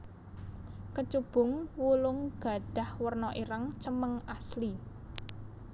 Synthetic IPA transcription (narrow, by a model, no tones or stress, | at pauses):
kət͡ʃub̥ʊ̤ŋwulʊŋɡ̥ä̤ɖ̥a̤hwərnɔʔiɾaŋt͡ʃəməŋasli